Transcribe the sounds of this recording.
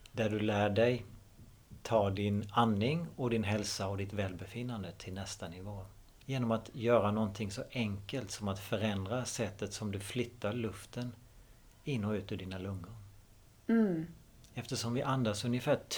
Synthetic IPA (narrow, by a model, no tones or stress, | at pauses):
d̪æɖɵlæːɖɛj | t̪ʰɑːɖɪnanːɪŋɔd̪ɪnɦɛlsaɔd̪ɪt̪vɛːlbɛfɪnːand̪ət̪ʰɪlnɛst̪anɪvoː | jeːnɔmat̪jœːɾanɔnt̪ʰɪŋsɔʔɛŋkəlt̪sɔmat̪fœɾɛnd̪ɾasɛt̪ːət̪sɔmd̪ɵflʏt̪ːaɾɭɵft̪ən | ɪnːɔʉ̟ːt̪ɵɖiːnalɵŋːʊɾ | ɛft̪əʂɔmvɪʔand̪asɵnjəfæː